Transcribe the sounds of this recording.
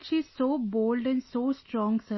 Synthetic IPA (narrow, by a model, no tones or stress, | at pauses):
ʃiːsoːboːlɖɛ̃nsoːsʈɾɔ̃ːŋɡsə